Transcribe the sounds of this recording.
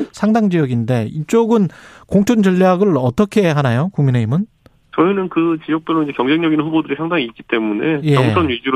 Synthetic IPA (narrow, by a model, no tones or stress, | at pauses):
sʰaŋdaŋd͡ʑijʌɡinde̞it͡ɕ͈oɡɯnkoŋt͡ɕʰond͡ʑɯʎːiaɡɯɭʌt͈ʌkʰe̞ɦanajokuŋmine̞imɯn | t͡ɕʌinɯnkɯt͡ɕijʌk̚p͈jolːoind͡ʑe̞kjʌŋd͡ʑʰe̞ŋɲʌɡinɸubodɯɾisʰaŋdaŋiːt̚k͈i̥t͈e̞mune̞jeʌŋt͡ɕʰonɥid͡ʑiɾ